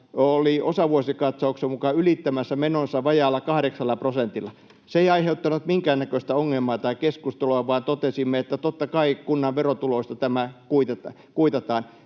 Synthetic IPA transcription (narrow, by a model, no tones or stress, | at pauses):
oliosɑʋuosikɑt̪sɑuksemukɑylit̪ːæmæsːæmenonsːɑʋɑjɑːlːˑɑkɑhɾeksɑlːɑprosent̪ilːˑɑ | seeiɑiheut̪ːɑnut̪miŋkæːnækøst̪æoŋːelmɑːt̪ɑikeskust̪eluɑʋɑːˑnt̪ot̪esimːeet̪ːæt̪ot̪ːɑkɑikunːɑʋʋerot̪uloist̪ɑt̪æmækuit̪et̪ | kuit̪ɑt̪ɑːn